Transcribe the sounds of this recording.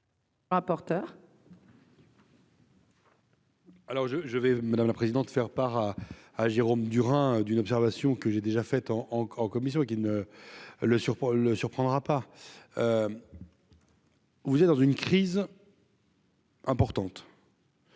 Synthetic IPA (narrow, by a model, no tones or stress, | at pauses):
ʁapɔʁt̪œːʁ | alɔʁʒəʒəvɛmad̪amlapχezid̪ɑ̃t̪fɛʁpaʁaːʒeʁomd̪yʁɛ̃d̪ynɔpsɛʁvasjɔ̃kəʒed̪eʒafɛt̪ɑ̃ːɑ̃kɔmis̬jɔ̃ekʲinə | ləsyʁpləsyʁpχɑ̃d̪ʁapaø | vuzɛt̪̚d̪ɑ̃zynkχiz | ɛ̃pɔʁt̪ɑ̃t̪